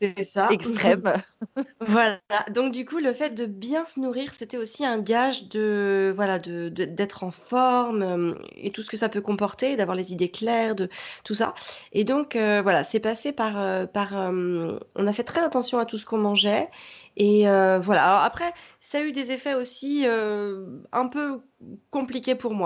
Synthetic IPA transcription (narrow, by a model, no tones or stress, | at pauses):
sɛɛsaɛkst̪χɛm | vwalad̪ɔ̃k̚d̪ykuləfɛt̪̚d̪əbjɛ̃sənuʁiʁset̪ɛosiɛ̃ɡaʒd̪əvwalad̪əd̪d̪ɛt̪χɑ̃fɔʁmøḛt̪usə̥kəsapøkɔ̃pɔʁt̪ed̪avwaʁlezid̪eklɛʁd̪ət̪usa̰ed̪ɔ̃køvwalasɛpasepaʁøpaʁømɔ̰̃nafɛt̪χɛzat̪ɑ̃sjɔ̃at̪us̬ə̥kɔ̃mɑ̃ʒɛeøvwala̰ːlɔʁapχɛsayd̪ezefɛosiø | ɛ̃pø | kɔ̃plikʲepuʁmwa